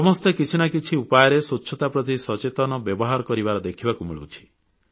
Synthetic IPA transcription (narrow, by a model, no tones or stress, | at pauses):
sɔmɔst̪ekit͡ʃʰinakit͡ʃʰiupajɔɾesutːʃʰɔt̪apɾɔt̪isɔt͡ʃet̪ɔnɔbjɔbɔɦaɾɔkɔɾibaɾɔd̪ekʰibakumḭɭṵwt͡ʃʰi̥